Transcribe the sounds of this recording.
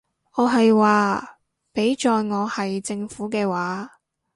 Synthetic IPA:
ɔː˨˧ɦɐ˨jwaː˨ | pe˨˥jt͡ʃɔː˨jŋɔː˨˧hɐ˨jt͡sɪ˧ŋfuː˨˥kɛː˧waː˨˥

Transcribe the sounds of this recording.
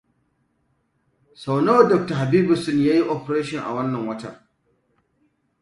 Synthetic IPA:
sa˨wno˦wdɔ˨k̚ta˨ɦa˨biː˦bʊ˨sʊ˦njaː˦ji˦ʔɔ˨pɐ˨ɾeː˦ʃɔ˨ŋʔa̰˨wɐ˦nːɐ˨ŋwɐ˦ta̰˨

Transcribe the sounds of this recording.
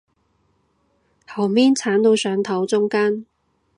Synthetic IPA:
hɐ˨˩wmiː˥nt͡sʰaː˨˥nt̪o˧wsœː˨˥ŋt̪ʰɐ˨˥wt͡sʊ˥ŋkaː˥n

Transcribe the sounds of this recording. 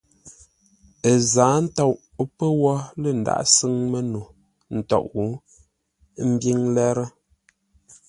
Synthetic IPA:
ə˨zaː˨˦n̩˦tɔ˦˨ʔ | pə˦wɔ˦lə˦˨n̩˨da̰˦˨ʔsɨ˦ŋmə˦nu˨ | n̩˨tɔ̰˨ʔwu˨˦ | m̩˦bji˦ŋlɛ˦ɾɛ˦

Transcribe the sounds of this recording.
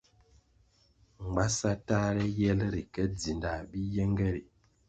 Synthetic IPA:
ŋ̩˨ɡ͡ba˦sa˦ta˦ɾɛ˦jɛ˦lɾi˨kɛ˦d͡zi˨nda˨bi˦jɛ˦ŋɡɛ˦ɾi˨

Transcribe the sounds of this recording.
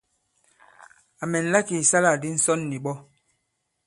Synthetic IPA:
a˨mɛ˨n̩˨la˦ki˨sa˦la˨di˦n̩˨˦sɔ˦nːi˨ɓɔ˦

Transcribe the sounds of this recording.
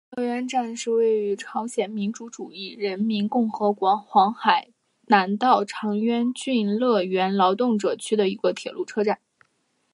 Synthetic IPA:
lɤ˥˩ɥɛ˥nʈ͡ʂa˥˧nʂɻ̩˥˧we˥˩ɪy˧˥ʈ͡ʂʰɑ˧˥ʊɕjɛ˨˩nmi˧˥nʈ͡ʂu˧˥ʈ͡ʂu˨˩i˥˩ɻə˧˥nmi˧˥nkʊ˥˩ŋxɤ˧˥kwɑ˧˥xwɑ˧˥ŋxa˨˩˦ɪ | na˧˥nt̪ɑ˥˩ʊʈ͡ʂʰɑ˧˥ŋɥɛ˥nt͡ɕy˥nlɤ˥˩ɥɛ˧˥nlɑ˧˥ʊt̪ʊ˥˩ŋʈ͡ʂɤ˨˩t͡ɕʰy˥d̪ə˨i˧˥ɡə˧t̪ʰjɛ̰˨˩lʔu˥˩ʈ͡ʂʰɤ˥ʈ͡ʂa˥˩n

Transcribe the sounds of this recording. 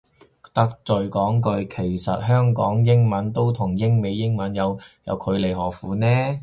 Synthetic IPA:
t̪ɐ˥k̚t͡sɵ˨ɥkɔː˨˥ŋkɵ˧ɥkʰe˨˩jsɐ˨t̚ɦœː˥ŋkɔː˨˥ŋjɪ˥ŋmɐ˨˥nt̪o˥wt̪ʰʊ˨˩ŋjɪ˥ŋme˨˧jːɪ˥ŋmɐ˨˥njɐ˨˧wjɐ̰˨˧wkʰɵ˨˧ɥle˨˩jɦɔː˨˩fuː˨˧nɛː˥

